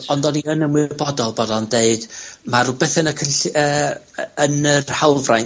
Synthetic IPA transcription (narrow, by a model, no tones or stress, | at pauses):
ɔndɔniənəmwɪrbɔdɔlˠbɔdɔndeɨd̥maɾubɛθɛnəkʰənɬəː | ənərhawvraj